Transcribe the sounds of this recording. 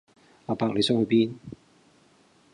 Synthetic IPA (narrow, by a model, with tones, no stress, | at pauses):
laː˨paː˧k̚le˨˧jsʊ˥ŋhɵ˨˧˥piː˦˥n